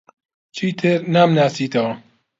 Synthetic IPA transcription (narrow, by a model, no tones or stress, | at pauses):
t͡ʃʰit̪ʰɨɾnamnaːsiːt̪ʰɐwɐ